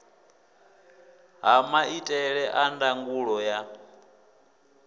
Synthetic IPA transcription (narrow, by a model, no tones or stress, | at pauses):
ɦamaitʼɛɺɛʔandaŋɡuɺɔja